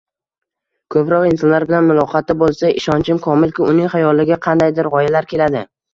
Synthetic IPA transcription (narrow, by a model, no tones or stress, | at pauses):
kʰɵpɾɒqɪnsɒnlaɾbɪlanmʊlˠɒqʰɑt̪ːabolˠsaʔɪʃɒnt͡ʃʰɪmkʰɒmɪlkʲɪʊnɪŋχajɒlːɪɡʲɪqʰɑnd̪ajd̪ɪɾʁɒjalaɾkʲʰe̞lad̪ɪ